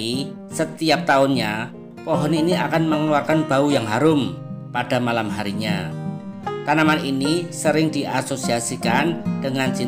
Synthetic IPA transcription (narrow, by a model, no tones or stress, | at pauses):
i | sət̪iap̚t̪aʊnɲa | pɔɦɔniːniakanməŋəluarkanb̥aujaŋɦaɾʊmpad̥a̤malamɦaɾiɲa̰ | t̪anamaninisəɾɪŋdiʔasosiasikand̥əŋant͡ʃi